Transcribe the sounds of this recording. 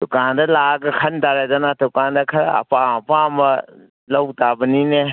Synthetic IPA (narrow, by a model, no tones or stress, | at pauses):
d̥̪ʊkand̪ɐlaɡɐkʰɐnd̪aɾad̪ɐnat̪ʊkand̪ɐkʰɐɾa̰ɐ̰papamɐ | lɐwt̪abənine